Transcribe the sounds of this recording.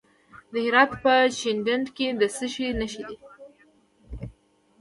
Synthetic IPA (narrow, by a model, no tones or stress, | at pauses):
d̪əhɪɾɑt̪pəʃɪnɖəndked̪əsəʃinəʃid̪i